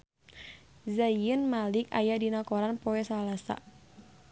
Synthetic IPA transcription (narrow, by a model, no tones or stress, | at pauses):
zajənmalika̰jadinakɔɾanpɔɛsalasa̰